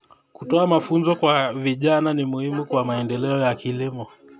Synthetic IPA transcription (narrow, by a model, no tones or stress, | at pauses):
kutɔamafunzɔkwaviʄananimuhimukwamaɛndɛlɛɔjakilimɔ